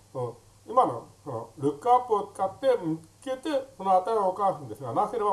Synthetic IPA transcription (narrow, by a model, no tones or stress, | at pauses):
o | imano̰sono̰ɾɯ̟kːɯapːɯ̟ot͡sɨ̥kat̪ːe̞mɯ̟ke̞t̪e̞sonoat̪aiookaːsɯ̃nd̪e̞sɨɡanaseɾeba